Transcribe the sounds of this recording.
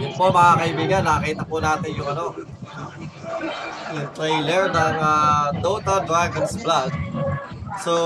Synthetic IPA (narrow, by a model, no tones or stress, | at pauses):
jʊnpomɐŋaːkɐʔɪbiːɡanːaːkiːt̪ɐpʊnaːt̪ɪnjʊŋɐno̞ | jʊŋt̪ɾejlɛɹnɐŋat̪ot̪ɐd̪ɹaɡɐnsblad̪̚ | so